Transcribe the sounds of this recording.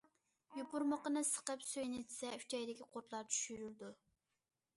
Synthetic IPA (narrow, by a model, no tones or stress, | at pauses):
jupʊɾməqənɨsə̥qəpsøjnɪd̪ɪsɛy̥t͡ʃʰɛjd̪ɪkʲiqʰoɾt̪lˠɑɾt͡ʃʰy̥ʃyɾyld̪u